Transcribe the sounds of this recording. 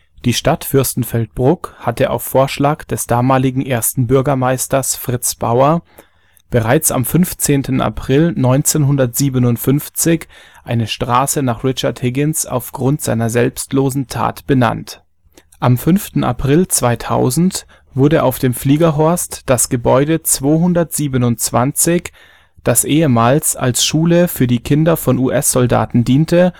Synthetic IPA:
d̥iːʃtatfʏɐstn̩fɛlt̚b̥ʁʊkhatʰəʔa̰ʊfːoːɐʃlaːkd̥ɛsd̥aːmaːlɪɡŋ̩ʔeːɐstn̩bʏɐɡɐmaɪstɐsfʁ̥ɪt͡sb̥a̰ʊɐ | b̥əʁaɪt͡sa̰mfʏnft͡seːntʰn̩ʔa̰pʁ̥ɪlnɔʏnt͡seːnɦʊndɐtz̥iːbənʊntfʏnft͡sɪç | ʔaɪnəʃtʁ̥aːsənaːχʁɪt͡ʃɐthɪɡɪnsa̰ʊfɡ̥ʁʊntz̥a̰ɪnɐzɛlpstloːzn̩tʰa̰ːtb̥əna̰nt | ʔamfʏnftn̩ʔa̰pʁ̥ɪlt͡sv̥aɪtʰa̰ʊzn̩t | v̥ʊɐɾəʔaʊfd̥eːmfliːɡɐɦɔɐstd̥asɡ̥əbɔʏdət͡sv̥oːɦʊndɐtz̥iːbənʊnt͡sv̥ant͡sɪç | d̥asʔeːəmaːlsa̰lsʃuːləfyːɐdiːkʰɪndɐfɔnuːʔɛsz̥ɔlda̰ːtn̩diːntʰə

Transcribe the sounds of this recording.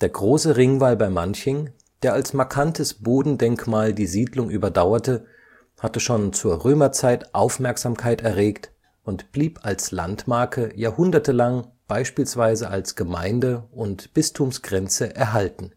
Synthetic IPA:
d̥eːɐɡʁoːsəʁɪŋvaːlbaɪmançɪŋ | d̥eːɐalsmaɐkʰantʰəsb̥oːdn̩dɛŋkmaːldiːziːdlʊŋʔyːbɐdaʊɐtə | hatəʃoːnt͡suːɐʁøːmɐt͡saɪtʔaʊfmɛɐkz̥aːmkʰaɪtɛɐʁeːkt | ʔʊntb̥liːpalsla̰ntmaɐkʰəjaːhʊndɐtəlaŋb̥aɪʃpiːlsv̥aɪzəʔalsɡ̥əma̰ɪndəʊntb̥ɪstʰumsɡ̥ʁɛnt͡səʔɛɐɦaltn̩

